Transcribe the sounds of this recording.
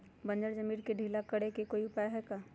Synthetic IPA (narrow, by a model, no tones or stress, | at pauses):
bɐ̃nd͡ʒəɾd͡ʒɐmiːɾkeɖʱiːlakɐɽekekoːiʊpaːjɦɛkaː